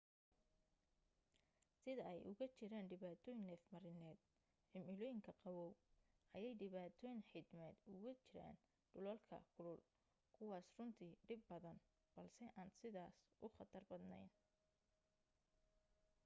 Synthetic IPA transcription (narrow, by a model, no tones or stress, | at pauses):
sɪðɐɛjʔʊɣɐt͡ʃɪɾaːnɖɪβaːt̪ʰɔːjɪŋnlɛːfmɐɾɪnɛːd̪̥ | ħɪmɪlɔːjɪŋkʰɐqɑwɔːwʔɐjɛjɖɪβaːt̪ʰɔːjɪnħɪd̪mɛːd̪ʊɣɐt͡ʃɪɾa̰ːn | ɖʊlɔlkʰɐ̰kʰʊlʊl | kʰʊwɑːsrʊnt̪ʰiːɖɪbːɐðɐn | b̥ɐlsɛʔaːnsɪðaːsʔʊχɑt̪ʰɐrbɐd̪nɛ̰jn